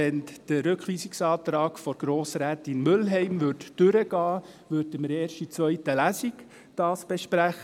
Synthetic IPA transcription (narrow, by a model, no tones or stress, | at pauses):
ɛnd̥əɾʏkχliːsiksɑːt̪ɾɑːɡ̥fɔɾɡ̥ɾoːsɾæːt̪ɪnmʏlɦɛɪmʋʏɾtd̥ʏɾəɡ̥ɑː | ʋʏɾtəməɾeːɾʃtit͡sʋœʏtəlæsik | d̥ɑːsb̥ɛʃpɾæχ